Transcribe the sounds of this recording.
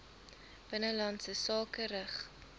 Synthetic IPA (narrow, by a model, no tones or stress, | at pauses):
b̥ənəlɐntsəsɑːkəɾəχ